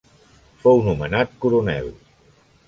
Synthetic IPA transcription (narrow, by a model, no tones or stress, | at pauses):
fownumənat̪̚kuɾunɛ̰w